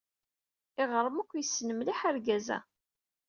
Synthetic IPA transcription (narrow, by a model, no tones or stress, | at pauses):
ɪʁɾˤəmækʷːjəsːnəmliħaɾɡæzæ̰